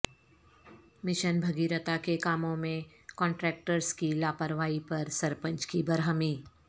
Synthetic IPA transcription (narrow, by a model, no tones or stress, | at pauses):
mɪʃənbʱɐɡiːɾət̪akekaːmõmẽ | kɔ̃ːɳʈɾɛːk̚ʈəɾskilaːpəɾʋaːipɐɾsɐɾpə̃nt͡ʃkibɐɾɦəmiː